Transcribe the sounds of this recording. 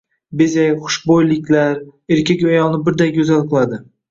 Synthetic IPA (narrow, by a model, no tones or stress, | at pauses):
bezajχʊ̥ʃbojlɪkʲlaɾeɾkʲakʲajɒlˠnɪbɪɾd̪aɡʲɵzalˠqɨlˠad̪ɪ